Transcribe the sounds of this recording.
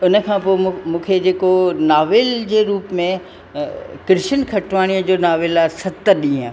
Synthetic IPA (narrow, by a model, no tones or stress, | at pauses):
ʊnə̆kʰãːpoːmũːkʰed͡ʑeːkonaːʋɪld͡ʑeːɾuːpmẽ | kɾɪʃənkʰɐʈʰʋaːɽ̃ijəd͡ʑoːnaːʋɪlaːsɐt̪əɗĩːã